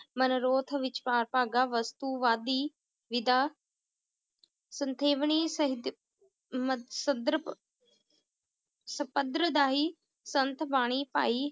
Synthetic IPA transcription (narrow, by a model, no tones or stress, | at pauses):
mɐnɾoːt̪ʰə̆ʋɪt͡ʃpaːɾpaːɡaːʋɐst̪uʋaːd̪iː | ʋɪd̪aː | sɐ̃nt̪ʰeːʋɽ̃isɐɦid̪ | msɐd̪ɾə | sɐpəd̪ɾəd̪aːɦiː | sɐnt̪ʰbaːɽ̃ipa̰ːiː